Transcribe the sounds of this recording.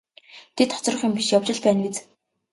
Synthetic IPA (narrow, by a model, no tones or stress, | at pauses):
t̪ʰet̪χɔ̥t͡srə̆χjʊmpiʃjawt͡ɕɪ̆ɮpæːnɡet͡s